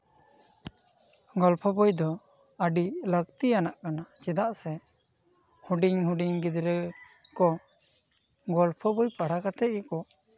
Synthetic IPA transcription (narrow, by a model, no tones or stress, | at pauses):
ɡɔlpʰɔbɔjd̪ɔ | əɖiləkt̪ijanaʔkanat͡ʃɛd̪aʔsɛ | huɖiŋhuɖiŋɡid̪ɾəkɔ | ɡɔlpʰɔbɔjpaɽakat̪ɛʔ̪̚ɡɛkɔ